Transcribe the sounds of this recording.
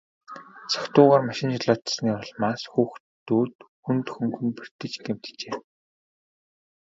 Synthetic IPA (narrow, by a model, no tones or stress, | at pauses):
t͡sʰḁkt̪ʊːʁaːrmaʃɪ̆nt͡ɕaɮɔːt̪sniːɔɮmaːsxuːxt̪uːt̪xunt̪xɵŋɡɵ̆nper̥t̪ɘ̆t͡ɕɡem̥t̪t͡ɕeː